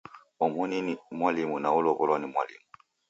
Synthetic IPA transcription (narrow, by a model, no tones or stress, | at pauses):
ɔmɔninimwalimunaulɔβɔlɔnimwa̰lḭmu